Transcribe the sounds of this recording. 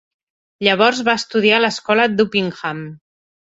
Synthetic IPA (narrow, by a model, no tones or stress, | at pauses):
ʎəβ̞ɔɾzβaəst̪uð̞ialəskɔləd̪upiŋxam